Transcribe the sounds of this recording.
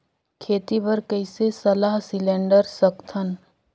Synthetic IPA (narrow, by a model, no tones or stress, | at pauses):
kʰeːt̪ibəɾkəɪsesɐlaːɦsɪlẽːɳɖəɾsəkt̪ʰən